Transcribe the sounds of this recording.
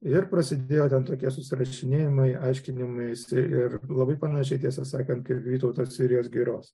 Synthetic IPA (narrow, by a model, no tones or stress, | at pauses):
ɪɾpɾɐsʲɪd̪ʲeːjoːt̪ʲɛnt̪oːkʲiɛsʊsʲɪɾɐʃʲɪnʲeːjɪmɐɪɐɪʃʲkʲɪnʲɪmɐɪsʲɪɪɾlˠɐbɐɪpɐnɐʃʲɛɪt̪ʲiɛsɐsɑːkɐnt̪̚kɐɪpʋʲiːt̪ɐʊt̪oːssʲɪɾʲɪjoːsɡʲiːɾoːs